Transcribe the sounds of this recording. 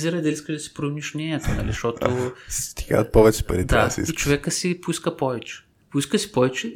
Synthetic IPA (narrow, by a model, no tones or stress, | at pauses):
ziɾɐd̪ɛlisk̪əʒd̪ɐsi̥pɾomnʲiʃnʲɛɲʲɛt̪onɐ̰lḭʃt̪ɔt̪osst̪i̥ɡa̰ɐt̪̚pɔvɛt͡ʃɛ̥pɐ̰ɾidt̪asḭit͡ʃovɛkəsipʊiskəpɔvɛt͡ʃɛ̥ | poiskəsi̥pɔvɛt͡ʃɛ